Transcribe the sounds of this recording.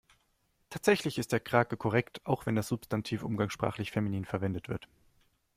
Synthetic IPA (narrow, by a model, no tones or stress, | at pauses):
tʰaːtz̥ɛçlɪçɪstd̥eːɐkʁ̥aːkəkʰɔʁ̞ɛktʰaʊxv̥ɛndasz̥ʊpstʰantʰiːfʔʊ̰mɡaŋsʃpʁ̥a̰ːχlɪçfeminiːnfɛɐvɛndətv̥ɪɐt